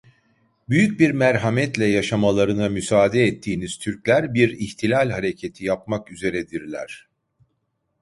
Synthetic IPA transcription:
byjyc̚biɾmæɾɦamɛt̪lʲɛjaʃamalˠaɾɯnamysaːd̪ɛːt̪ʰːiːniz̥t̪ʰyɾclʲæɾbiɾiçt̪ʰilʲalʲɦaɾecʰe̞t̪ʰijap̚makyze̞ɾɛd̪iɾlʲæ̰ɾ̥

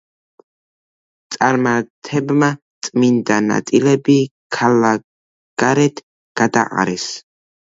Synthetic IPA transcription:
t̪sʼaɾmat̪ʰɛbma | t̪sʼmind̪ana̰t̪ʼilɛbikʰalːa | ɡ̥aɾɛt̪ʰ | ɡ̥ad̪a̰ʔa̰ɾɛs

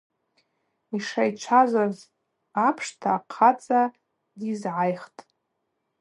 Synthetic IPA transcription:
iʂajt͡ʃʷʰazaz | apʰʂtʰaːqʰat͡sʼa | dizʕajχtʼ

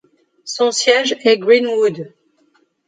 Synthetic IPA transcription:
sɔ̃sjɛʒɛɡʁinwud̪

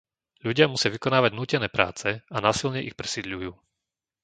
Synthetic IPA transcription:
ʎuɟɪamusɪaʋikɔnaːʋaɟnuːcɛnɛːpɾa̰ːt͡sɛanaːsilɲɛʔixpɾɛsid̪ʎujuː

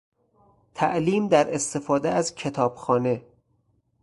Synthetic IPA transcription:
t̪ʰæʔliːmd̪æɾe̞st̪e̞fɒːd̪eæzcʰe̞t̪ʰɒːb̥xɒːne̞

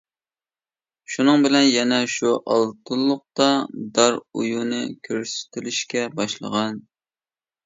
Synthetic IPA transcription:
ʃunɨŋbɪlɛnjɛnɛʃuʔɑlˠt̪ʰɨlˠːʊq̚t̪ɑd̪ɑɾṵjunɨkʲʰøɾsy̥t̪ʰɪlyʃkʲɛbɑʃlˠə̰ʁɑn

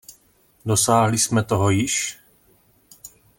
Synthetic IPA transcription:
do̞saːɦlɪsmɛt̪oɦojɪʃ

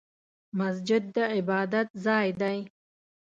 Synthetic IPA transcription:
mas̬d͡ʒɪd̪ːəɪbɑːd̪at̪zɑːjd̪aj

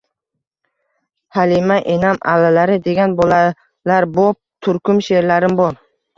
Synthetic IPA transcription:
halimaʔenama̰lːalaɾɪd̪e̞ɡʲanbola | laɾbop̚t̪ʰʊɾkʰʊmʃe̞ɾlaɾɪmbɒɾ

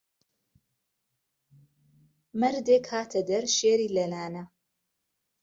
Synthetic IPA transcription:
mɐɾd̪eːkhaːt̪ʰɐd̪ɐɾʃeːɾiːlɐlaːnɐ

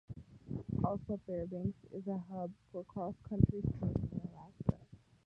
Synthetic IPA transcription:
ʔɔlˠsoʊfɛɹbæ̃ŋksɪ̰zəɦʌbfə˞kʰɔskʰʌ̃nt͡ʃɹ̥iz̥tʰɹ̥ẽnɪ̃ŋəlækə̰

